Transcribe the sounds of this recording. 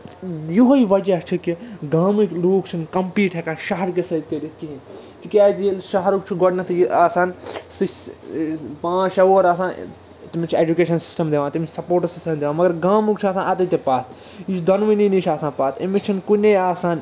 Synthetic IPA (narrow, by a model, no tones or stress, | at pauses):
joɦoiʋɐd͡ʒɐt͡ʃʰikiɡaːmikloːkt͡ʃʰinkɐmpiːʈɦekaːʃɐɦɐɾkesɐid̪̚kɐɾit̪ʰkiɦĩn | t̪ikʲaːd͡ʒielʃɐɦɐɾukt͡ʃʰiɡɔɖnɐt̪ʰjiaːsaːnsi | pãːt͡ʃɐʋoːɾaːsaːn | t̪imit͡ʃʰieːd͡ʒukeːʃɐnsi̥sʈɐmd̪eʋãːt̪imit͡ʃʰsɐpoːɾʈɐsisʈɐmd̪eʋãːmɐɡɐɾɡaːmukt͡ʃʰaːsãːnɐt̪ɐt̪epaːt̪̚ʰ | jit͡ʃʰd̪ɐnʋininiːt͡ʃʰaːsãːpaːt̪ḛmit͡ʃʰinkuneaːsaːn